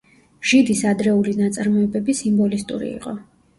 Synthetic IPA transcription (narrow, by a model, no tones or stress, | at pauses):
ʒ̥id̪isad̪ɾɛulinat̪sʼaɾmɔɛbɛbisimbɔlist̪ʼṵɾḭḭqʼɔ